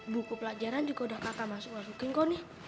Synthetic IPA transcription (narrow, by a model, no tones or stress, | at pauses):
bukupəlad͡ʒaɾand͡ʒuɡaudahkakamasʊkwas̬ukɪŋkɔnɪh